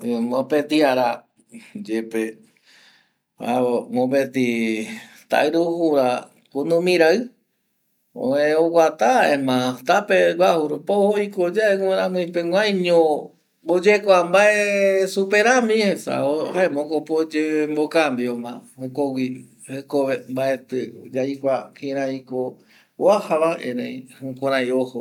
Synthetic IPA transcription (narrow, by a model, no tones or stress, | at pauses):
mõpet̪iaɾa | d͡ʒepe | a̰eŋõpet̪i | t̪a̰iɾuhuɾa | kunũmĩɾaɨ | õ̰ẽowʷat̪aemãt̪apeβahuɾupohoikod͡ʒaeŋeɾãmũipewʷãjɲõ | bod͡ʒekʷambaesupeɾamĩhesa̰ohaemõkopod͡ʒembokambiomãokowʷi | hekoβembaʔet̪ɨd͡ʒajkʷakĩɾãiko | wahaβaḛ̃nḛ̃ĩhũkʷãɾãjoho